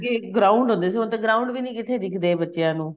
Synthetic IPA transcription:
keɡɾaːʊ̃ɳɖɦõnd̪eːs̬iʊnt̪eːɡɾaːũɳɖʋiːnĩːkɪt̪ʰeːɾɪkʰd̪eːbətːʃejãːnũː

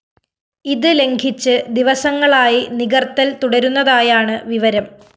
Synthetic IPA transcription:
iðɨle̞ŋɡʰʱit͡ɕːɨd̪iʋɐsɐŋːɐɭaːjiniɣɐrt̪ːɐlt̪uɽɐɾunːɐðaːjaːɳɨʋiʋɐɾɐm

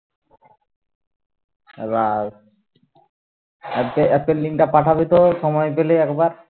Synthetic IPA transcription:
ḛba | ɛpeɛpelːiŋʈapaʈʰabit̪oʃɔmɔjpeleɛkbaɾ

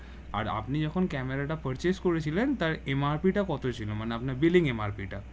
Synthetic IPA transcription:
a̰ɾa̰pnid͡ʑɔkʰonkɛmeɾaʈapəɾt͡ɕeskoɾet͡ɕʰilent̪aɾemaɾpiʈakɔt̪ʰot͡ɕʰilomaneapnaɾbiliŋemaɾpiʈa

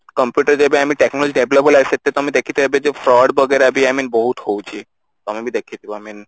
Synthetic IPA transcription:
kɔmpjuʈəɾd͡ʑɔbeamiʈeknolod͡ʑiɖeblopɔlaset̪ːet̪ɔmid̪ekʰit̪eɦɔbed͡ʑefɾɔɖbʱɔɡeɾabiaminboɦut̪howt͡ɕʰi | t̪ɔamimid̪ekʰid̪iboamin

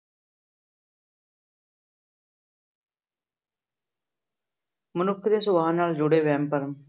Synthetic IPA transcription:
mənʊkʰd̪eːsʊʋaːnaːld͡ʒʊɽeːʋɛ̃ːmpəɾəm

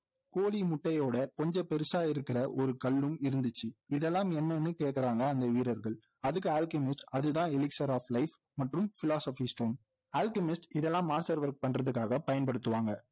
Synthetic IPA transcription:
koːlimʊʈːɐjoːɽɐkɔɲd͡ʒɐpɛɾɯsaːjɪɾɯkːɪɾɐʔɔɾɯkɐlːɯmɪɾɯnd̪ɯt͡ʃːɯɪðɛlːãːmɛnːɐnːɯkeːʈkɪɾaːŋɡɐːnd̪ɐʋiːɾɐɾɣɐɭ | ɐðɯkːɯaːlkɪmɪsʈɐðɯt̪ãːɪlɪksɐɾaːflɐɪf | mɐʈrɯmfɪlaːsɐfisʈoːn | aːlkɪmɪsʈɪðɛlːãːmaːsɐɾʋɐɾk̚pɐɳrɐðɯkːaːɣɐpɐjɐnpɐɽɯt̪ːɯʋaːŋɡɐ

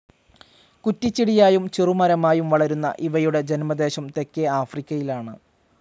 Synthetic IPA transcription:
kutːit͡ɕːiɽijaːjumt͡ɕirumɐɾɐmaːjumʋɐɭɐɾunːɐ̰ʔiʋɐjuɽe̞d͡ʑe̞nmɐd̪e̞ːɕɐmt̪e̞kːeaːfrikʲːɐjilaːɳɨ

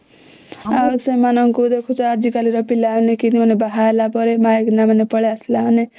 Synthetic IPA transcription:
asʌ̃manʌŋkud̪ekʰot͡sʌaɾd͡ʒikaliɾʌpilːawnekiniʌnebaɦaelapʌɾemajeknamʌnepʌɭeslane

